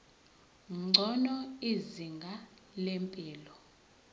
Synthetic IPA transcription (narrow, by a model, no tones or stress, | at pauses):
ŋ͡ǀʱɔnɔiziŋɡʱalempʼiːlɔ